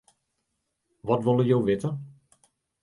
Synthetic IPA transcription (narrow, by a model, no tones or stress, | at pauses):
ʋɔtʋolˠəjowʋɪtə